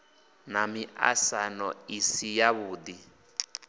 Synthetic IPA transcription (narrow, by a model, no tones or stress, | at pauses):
namiʔa̰sanɔisijaβuːd̪i